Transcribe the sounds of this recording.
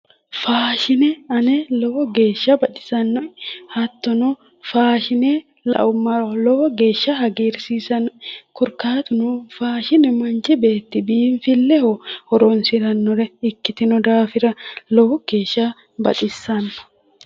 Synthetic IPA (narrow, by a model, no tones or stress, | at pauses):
faːʃɪnɛɐnɛlɔɔɡe̞ːʃːɐbɐᶑ̪ʼɪ̥sɐnːɔhɐt̪ːɔnɔ | faːʃɪnɛ | lɐ̰ʔʊmːɐlɔɔɡe̞ːʃːɐhɐɡeːɾsiːsɐnɔkɔɾkaːt̪ʊnʊfaːʃɪnɛmɐnt͡ʃɪbeːt̪ːɪbiːnfɪlːɛhɔhɔɾɔnsɪɾɐnːɔɾɛɪkːɪt̪ɪnɔd̪aːfɪɾɐlɔɡ̥eːʃːa | bɐ̰ᶑ̪ʼɪsːɐnːɔ̥